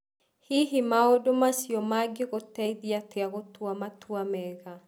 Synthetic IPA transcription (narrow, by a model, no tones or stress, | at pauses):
hiɦimaodomasjɔmaɡeɣotɛiðiateaɣotwamatwamɛɣa